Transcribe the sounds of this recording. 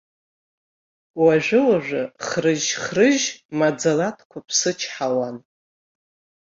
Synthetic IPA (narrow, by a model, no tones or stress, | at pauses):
waʒʷᶣɨwaʒʷᶣaχrɨʒχrɨʒmad͡zalatʰkʷʰapʰsɨt͡ʃʰħawan